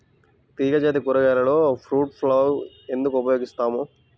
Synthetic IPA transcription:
t̪iːɡɐd͡ʒeːt̪̬ikuɾɐɡɛːlɐloːpʰɾuːʈpʰloːw | e̞nd̪ukuupɐjoːɡist̪aːmu

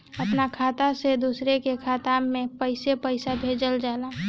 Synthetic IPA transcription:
əpnakʰaːt̪ased̪uːsɾekekʰaːt̪aẽpəɪsepəɪsabʱed͡ʒəld͡ʒaːla

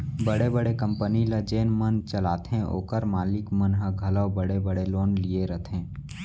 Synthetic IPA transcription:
bəɽebəɽekə̃mpənilad͡ʒeːnmənt͡ʃəlaːt̪ɛ̃ʔo̰ːkəɾmaːlɪkmənɦaɡʱɐləːbəɽebəɽeloːnlieɾət̪ʰẽː

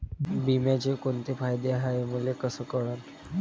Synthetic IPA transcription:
bimjat͡ɕekont̪efajd̪eɦaemulekəsəːkəɭat̪

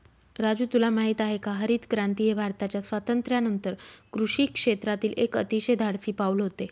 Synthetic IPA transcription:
ɾad͡ʑuːt̪ulamaɦit̪aɦekaɦəɾiːt̪kɾãnt̪ijəbʱaɾt̪at͡ɕjasʋat̪ənt̪ɾjanənt̪əɾkɾuʂiːkʂet̪ɾat̪iːlekət̪iɕed̪ʱaɽsiːpaulɦot̪e

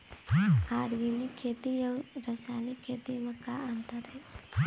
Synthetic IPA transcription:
haːɾɡilikʰːeːt̪ijɐwɾɐsaːnikʰeːt̪imɐkːaɐnt̪əɾɦɛ

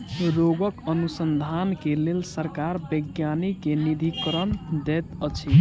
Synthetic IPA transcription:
ɾoɡəkənusənd̪ʱankelelsəɾkaɾbəɡjanikenid̪ʱikɾənd̪et̪ət͡ʃʰi

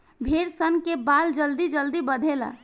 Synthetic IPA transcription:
bʱeːɾsənkebaːld͡ʒəld̪id͡ʒəld̪ibəd̪ʱela̰ː

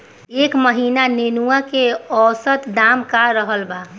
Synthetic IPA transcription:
eːkməɦiːnanenuakeɔːsət̪d̪aːmkaɾəɦəlba

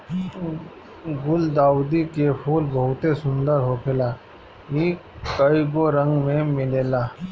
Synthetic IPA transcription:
ɡʊld̪aːud̪ikepʰuːlbɐɦʊt̪esʊ̃nd̪əɾɦopʰɪlaː | iː | kəiɡoɾə̃ŋɡmẽmɪleːlaː

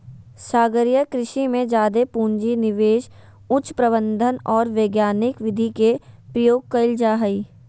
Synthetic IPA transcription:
saːɡəɾjəkɾɪʃimẽd͡ʒaːd̪epuːɲd͡ʒinɪʋeːʃ | ʊt͡ʃpɾəbə̃nd̪ʱənɔːɾʋeːɡjaːnɪkʋɪd̪ʱikepɾəjoːɡ̚kɐɪld͡ʒaːɦɐiː

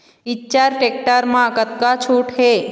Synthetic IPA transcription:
itːt͡ʃaɾʈek̚ʈaɾmãəkət̪̚kat͡ʃʰuʈɦe

